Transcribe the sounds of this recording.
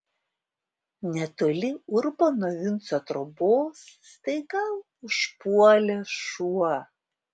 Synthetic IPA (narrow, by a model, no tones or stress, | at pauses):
nʲɛt̪oɔlʲɪʊɾbonɔʋʲɪnˑt̪sot̪ɾoboːsːt̪ɐɪɡɐlˠ | ʊʃpuɔlʲɛʃuɔ